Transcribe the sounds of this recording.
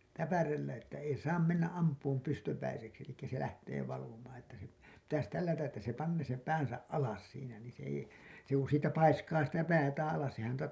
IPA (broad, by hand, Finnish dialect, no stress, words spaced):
tæpærelːæ etːæ ei sɑːm menːæʔ ʔɑmpˑuːm pystøpæiseksi elikːæ se læhteː ʋɑlumɑːn etːæ se pitæs tælːætæʔ ʔetːæ se pɑnːeː sem pæːnsæʔ ʔɑlɑs siːnæ niːn̞ se ei se ku siːtæ pɑiskɑː sitæ pæːtæːæ̃ ɑlɑs sehæn